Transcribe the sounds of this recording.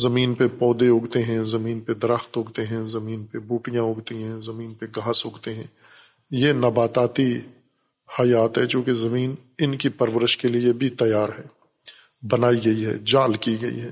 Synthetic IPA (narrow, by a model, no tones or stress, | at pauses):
zɐmiːnpepɔːd̪eɦʊɡt̪eɦɛ̃zɐmiːnped̪ɐɾəxt̪ɦʊɡt̪eɦɛ̃zɐmiːnpebuːʈijãʊɡt̪iɦɛ̃zɐmiːnpeɡaːsɦʊɡt̪eɦɛ̃ː | jeːnɐbaːt̪aːt̪i | hɐjaːt̪ɦɛt͡ʃõːkezɐmiːn | ɪnkipɐɾwəɾɪʃkeliebʱit̪ɐjaːɾɦɛː | bɐnaːiɡɐiɦɛ̰ːd͡ʒaːlkiɡɐḭɦɛː